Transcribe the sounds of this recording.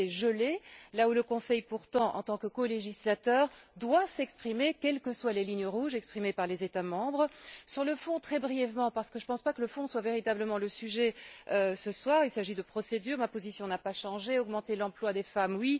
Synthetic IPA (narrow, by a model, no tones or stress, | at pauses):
ɛʒəlelauləkɔ̃sɛjpuʁt̪ɑ̃ʔɑ̰̃t̪ɑ̃kəkoleʒislat̪œːʁd̪wasɛkspχimekʲɛlkəswalelinjəʁuʒɛkspχimepaʁlezet̪amɑ̃bʁəsyʁləfɔ̃t̪χɛbʁijɛvmɑ̃paʁsə̥kəʒəpɑ̃spakələfɔ̃swaveʁit̪abləmɑ̃ləsyʒɛøsəswaːʁilsaʒid̪əpχɔsed̪yːʁmapozisjɔ̃napaʃɑ̃ʒeɔɡmɑ̃t̪elɑ̃plwad̪efamwi